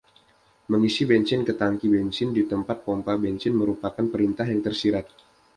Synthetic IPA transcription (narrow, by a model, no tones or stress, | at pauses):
məŋisibɛnt͡ʃɪnkət̪aŋkibɛnt͡ʃɪndit̪əmpat̪̚pɔmpabɛnt͡ʃɪnməɾupakanpəɾint̪aɦjaŋt̪ərsiɾat̪̚